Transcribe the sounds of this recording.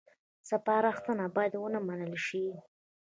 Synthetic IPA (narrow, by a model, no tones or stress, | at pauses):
səpɑɾaxt̪ənabɑjad̪wənamanəlʃi